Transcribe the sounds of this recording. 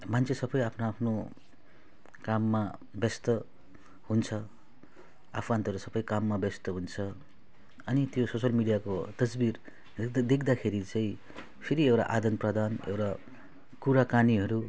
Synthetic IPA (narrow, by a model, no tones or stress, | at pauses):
mant͡sʰesʌbʌjapʰnoapʰno | kamːa | bʌst̪ʌ | hunt͡sʰʌ | a̰pʰant̪ʌɾusʌpʌjkamːabʌst̪ʌɦunt͡sʰʌ | ʌnit̪jososʌlmiɽijakot̪ʌsbir | d̪ekʰd̪akʰeɾit͡saĩ | pʰiɾiewʈa̰ʔad̪ʌnprʌd̪anḛwʈa | kuɾakaniɦʌɾu